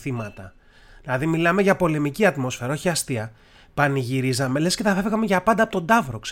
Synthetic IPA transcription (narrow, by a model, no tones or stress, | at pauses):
θimɐt̪ɐ | ðilɐðimilɐme̞ʝɐpo̞le̞miciɐt̪mo̞sfe̞ɾɐo̞çiɐst̪iɐ | pɐniʝiɾizɐme̞le̞scet̪ɐfevɣɐmeʝɐpɐnd̪ɐpot̪o̞nd̪ɐvɾo̞ks